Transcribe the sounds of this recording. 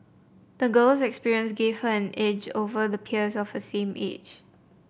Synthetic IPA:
d̪̥əɡəlsɛkspiɹiə̃nsɡev̥həɛ̃nʔed͡ʒovəðəpʰiəsɔfəsẽmʔḛd͡ʒ

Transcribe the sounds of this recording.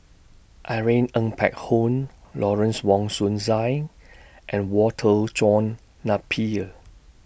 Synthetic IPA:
ʔaɹẽnə̃ŋpʰɛ̰k̚hõn | lɔɹə̃nswɔ̃ŋsũnzaj | ʔɛ̃nwɔtʰəlt͡ʃɔ̃nː | apʰi

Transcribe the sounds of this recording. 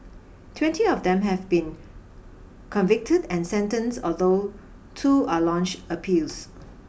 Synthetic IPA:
tʰwɛ̃ntiɔfd̪ɛ̃mɦɛvbĩn | kʰɔ̃nvɪk̚tʰədɛ̃nsɛ̃ntə̃nsɔld̪o | tʰualɔ̃nt͡ʃtəpʰils

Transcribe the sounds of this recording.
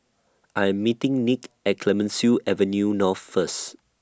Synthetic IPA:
ʔajɛ̃mːitɪ̃ŋnikɛt̚kʰlɛmə̃nsjuʔɛvə̃njunɔθfəs

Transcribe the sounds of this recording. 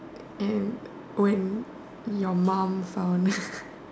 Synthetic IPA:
ʔɛn | wɛn | jɔmãmfan

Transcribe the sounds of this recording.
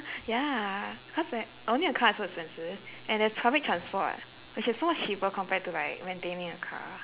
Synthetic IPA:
ja | kʰɔsa | ʔõnliəkʰaɛswɔsɛ̃nsəzʔɛ̃ndɛstʰɹabik̚tʰɹãnspɔ̰t̚ | wɪt͡ʃɪsomɔt͡ʃhipəkʰɔ̃mpɛtulaɪk̚ɹɛ̃ntẽnĩŋəkʰa̰

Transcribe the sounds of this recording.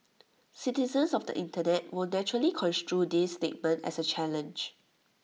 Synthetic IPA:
sitizə̃nsɔfdə̰ʔĩntənɛt̚wilnɛt͡ʃuɹəlikʰɔ̃nstɹudistet̚mə̃ntɛ̰sət͡ʃʰɛlə̃nd͡ʒ

